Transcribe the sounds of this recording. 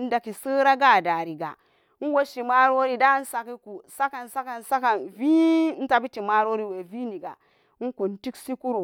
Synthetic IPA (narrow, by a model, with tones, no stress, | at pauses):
n̩˦da˨ki˨sɨ˦ɾa˦ɡa˦˨da˨ɾi˨ɡa̰˨˦ | n̩˦wo˦ʃi˨ma˦ɾo˦ɾi˦da˦n̩˦sa˨ki˦ku˨sa˦ka˨nsa˦ka˨nsa˦ka˨nvi˦n̩˦ta˨bi˦ti˨ma˦ɾo˦ɾi˦˨we˨vi˦ni˨ɡa̰˨˦ | ŋ̩˦ku˨n˦ti˦ksi˦ku˦ɾo˨